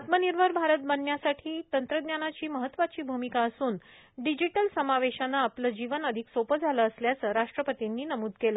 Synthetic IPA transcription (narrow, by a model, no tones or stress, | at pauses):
at̪məniɾbʱəɾbʱaɾət̪̚bənːjasaʈʰiːt̪ənt̪ɾəd̪njanat͡ɕiːməɦət̪ːʋat͡ɕiːbʱumikaəsuːn | ɖid͡ʑiʈəlsəmaʋeɕanaːpləd͡ʑiʋənəd̪ʱiksopəd͡zʱaləːsljat͡səːɾaʂʈɾəpət̪inːiːnəmuːd̪kelə